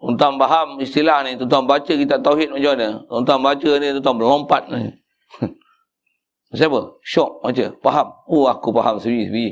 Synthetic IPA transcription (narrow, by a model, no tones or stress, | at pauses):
unt̪ampaɦamist̪ilahnit̪unt̪ambat͡ʃəkit̪aʔt̪auɦit̪̚mad͡ʒanəunt̪ambat͡ʃənit̪unt̪aŋbəlɔmpat̪̚ni | əsabəʃɔʔ̚mat͡ʃəpaɦamuakupaɦamsəbisbii